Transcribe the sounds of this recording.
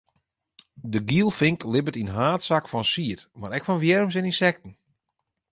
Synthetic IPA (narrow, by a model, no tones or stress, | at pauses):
dəɡiəlˠfɪŋklɪbətinɦaːtsakfɔnsiətmaɾɛkfɔnʋjɛrms̬ɪninsɛk̚tn̩